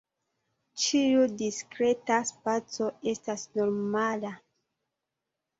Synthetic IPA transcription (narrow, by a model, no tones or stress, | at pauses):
t͡ʃiudiskɾe̞taspat͡so̞e̞stasno̞ɾmala